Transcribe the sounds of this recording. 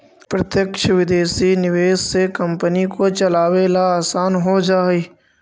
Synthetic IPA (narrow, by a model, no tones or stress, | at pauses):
pɾɐt̪jəkʃʋɪd̪eːsinɪʋeːssekɐ̃mpənikot͡ʃɐlaːʋeːlaaːsaːnɦod͡ʒaːiː